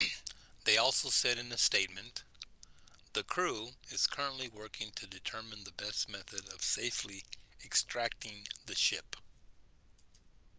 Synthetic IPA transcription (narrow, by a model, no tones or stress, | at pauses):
ðeɪɔlˠsoʊsɛɾɨ̃nɨsteɪt̚mɨ̃n | ðɨkʰɹ̥uɨz̥kʰɜ˞ə̃nʔliwɜ˞kɪ̃ŋtʰɨdɨtʰɜ˞mɨ̃nðɨbɛstmɛθɨɾʌv̥seɪfliɨkstɹ̥æk̚tɪ̃ŋðɨʃɪp